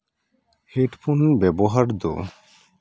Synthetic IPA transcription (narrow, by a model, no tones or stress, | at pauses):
heʈpʰunbɛboɦaɾd̪o̰